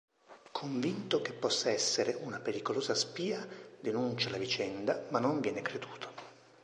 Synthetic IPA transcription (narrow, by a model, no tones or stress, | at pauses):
kʰoɱvint̪ok̟epːɔsːaɛsːeɾeʔunapeɾikoloːzaspiːad̪enunt͡ʃalavit͡ʃɛnd̪amanːoɱvjɛːnekɾed̪uːt̪ʰo̥